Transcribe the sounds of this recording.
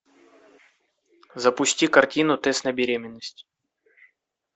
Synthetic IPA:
zəpʊsʲtʲikɐrtʲinʊt̪ɛst̪nəbʲɪɾʲemʲɪnːəsʲtʲ

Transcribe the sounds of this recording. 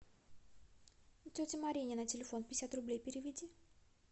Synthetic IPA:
tʲotʲɪmaɾʲinʲɪnətʲɪlʲɪfo̞npʲɪjɪsʲat̪rʊblʲejpʲɪɾʲɪvʲɪdʲi

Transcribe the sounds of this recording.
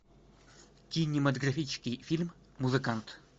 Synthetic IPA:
kʲinʲɪmɐt̪ɐɡɾɐfʲit͡ɕɪskʲɪjfʲilʲmː | ʊzɨkant̪

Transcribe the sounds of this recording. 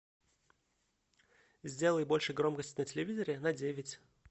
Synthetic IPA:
zʲdʲe̞lˠəjbo̞lʲʂɨjɡɾo̞mkəsʲtʲnətʲɪlʲɪvʲizəɾʲɪnɐdʲevʲɪtʲ

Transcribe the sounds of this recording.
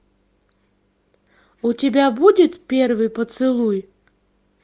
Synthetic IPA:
utʲɪbʲabudʲɪt̪pʲervɨjpət̪sɨlˠuj

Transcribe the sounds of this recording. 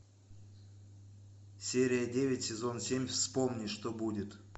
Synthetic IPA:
sʲeɾʲɪjədʲevʲɪtʲsʲɪzo̞nsʲemʲfspomnʲiʂt̪obudʲɪt̪

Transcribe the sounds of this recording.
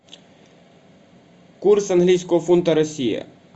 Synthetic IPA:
kuɾsənɦliskofunt̪aɾəsiə̰

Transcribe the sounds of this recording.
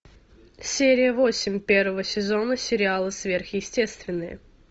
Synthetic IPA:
sʲeɾʲɪjəvo̞sʲɪmʲpʲervəvəsʲɪzo̞nəsʲɪɾʲɪalˠɨsvʲe̞rxjɪsʲtʲe̞st̪vʲɪnːɨjə̰

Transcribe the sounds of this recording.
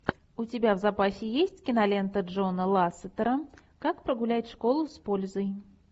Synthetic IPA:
ut͡sʲabʲawzapasʲɪjesʲt͡sʲkʲinalʲɛnt̪ɐd͡ʐɔnɐlˠasɨt̪ɐɾɐ | kakpɾɐɣulʲat͡sʲʂkɔlˠuspɔlʲzɐj

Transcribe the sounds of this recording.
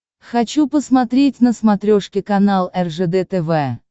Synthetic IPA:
xɐt͡ɕupəsmɐt̪ɾʲetʲnəsmɐt̪ɾʲoʂkʲɪkɐnalˠɛrʐɛd̪ɛt̪ɛvɛ

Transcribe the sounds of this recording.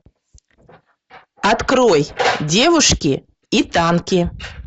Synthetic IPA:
at̪kɾojdʲevʊʂkʲi | it̪ɑnkʲi

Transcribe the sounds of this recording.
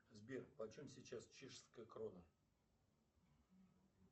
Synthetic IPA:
zʲbʲerpɐt͡ɕomsʲit͡ɕast͡ɕeʂskəjəkronə

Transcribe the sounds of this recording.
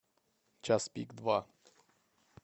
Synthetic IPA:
t͡ʃaspʲikd̪va

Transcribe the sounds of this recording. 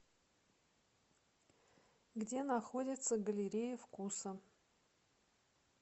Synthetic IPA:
ɡdʲe̞naxo̞dʲɪt̪səɡəlʲɪɾʲejʊfkusə

